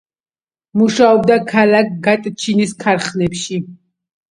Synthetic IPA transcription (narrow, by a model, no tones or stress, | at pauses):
muʃaɔb̚d̪akʰalak̚ɡat̪ʼt͡ʃʰiniskʰaɾχnɛpʃi